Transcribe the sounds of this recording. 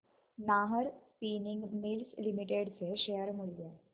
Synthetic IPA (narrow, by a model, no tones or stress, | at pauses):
naɦəɾspiniŋɡmilslimiʈeɽt͡seɕejəɾmuɭd͡ze